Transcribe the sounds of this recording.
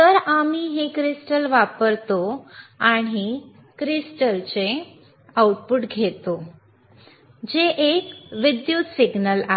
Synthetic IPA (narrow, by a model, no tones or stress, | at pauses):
t̪əɾamiɦekɾisʈəlʋapəɾt̪oaɽ̃i | kɾisʈəlt͡se | auʈ̚puʈɡʱet̪o | d͡ʑeʔekʋid̪jut̪siɡnəla